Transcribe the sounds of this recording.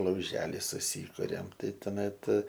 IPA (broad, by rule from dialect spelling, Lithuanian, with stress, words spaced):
lˠɐʊˈʒʲæːlʲɪ sʊˈsʲiːkʊrʲɛm ˈtɐɪ toːˈmʲɛt